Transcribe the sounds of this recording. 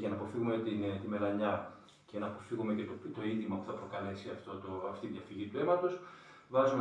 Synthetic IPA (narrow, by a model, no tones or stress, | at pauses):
ʝɐnɐːpo̞fiɣumet̪int̪ime̞lɐɲɐ | ce̞nɐːpofiɣume̞ce̞t̪ot̪o̞indðimɐpu̥θɐpɾo̞kɐle̞siɐft̪ot̪oɐft̪iðʝɐfiʝit̪ue̞mɐt̪o̞s | vɐzume